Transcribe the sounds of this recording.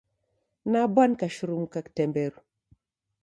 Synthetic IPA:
nabankaʃuɾumkaktembeɾ

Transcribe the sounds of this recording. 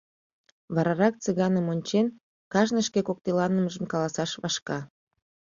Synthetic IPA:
βɑɾɑɾɑk̚t͡sɨɣɑnəmonʲt͡ɕen | kɑʒnəʃkekok̚t̪elɑnəməʒəmkɑlɑsɑʃβɑʃkɑ

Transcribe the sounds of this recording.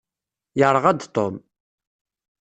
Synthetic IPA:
jəɾˤəʁæd̪t̪ˤːom

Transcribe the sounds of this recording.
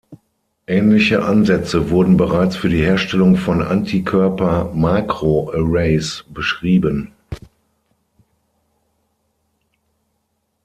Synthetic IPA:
ʔɛːnlɪçəʔanzɛt͡səvʊɐdn̩bəʁaɪt͡sfyːɐdiːheːɐʃtɛlʊŋfɔnʔa̰ntʰikʰœɐpɐmaːkʁ̥oʔəʁeɪsb̥əʃʁ̥iːbən

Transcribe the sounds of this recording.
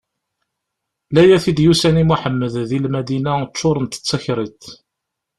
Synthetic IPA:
læjæθid̪jusænimuħəmːəððilmæd̪inæt͡ʃːʊɾˤənt̪ə̥t͡sːæçɾˤit̪

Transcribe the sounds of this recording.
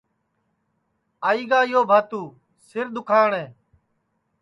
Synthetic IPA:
aːiːɡaːɪːɦoːbʱaːt̪uː | sɪɾd̪ʊkʰaːɳẽː

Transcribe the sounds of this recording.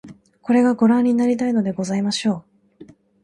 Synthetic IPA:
ko̞ɾe̞ɡaɡo̞ɾãɲ̟ːinaɾʲit̪aino̞d̪e̞ɡo̞zaimaɕo̞ː

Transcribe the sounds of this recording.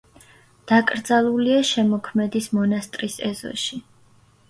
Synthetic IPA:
d̪̥akʼɾd̪zalˠuliaʃɛmɔkʰmɛd̪ismɔnast̪ʼɾisɛ̰zɔ̰ʃi

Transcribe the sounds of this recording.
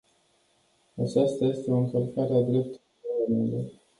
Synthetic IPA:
at͡ʃast̪aje̞st̪eo̞ɨŋkəlkaɾead̪ɾe̞p̚t̪ul | alamenle

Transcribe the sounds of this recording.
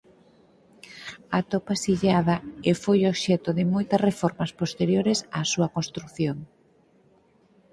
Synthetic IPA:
at̪opasiʎaðɐefojoβʃɛt̪ʊðɪmojt̪ɐsrefɔɾmɐspost̪eɾjoɾɪsasuɐkonst̪ɾuθjoŋ

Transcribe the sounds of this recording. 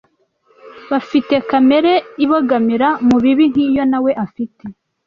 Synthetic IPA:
βafite̞kame̞ɾeiβoɡamiɾamuβiβin̥hiːjo̞nawe̞ʔafite̞

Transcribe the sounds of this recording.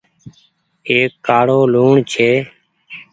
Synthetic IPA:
eːkːaːɽoːluːɳt͡ʃʰeː

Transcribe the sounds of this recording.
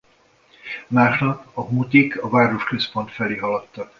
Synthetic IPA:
maːʃnɒpɒɦut̪ikɒvaːɾo̞ʃkø̞spo̞nt̪fɛleːɦɒlɒt̪ːɒk

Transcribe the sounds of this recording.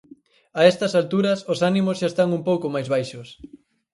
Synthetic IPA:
aɛst̪ɐsalt̪uɾɐsosanimozʃaest̪aŋumpowkomajzβajʃos

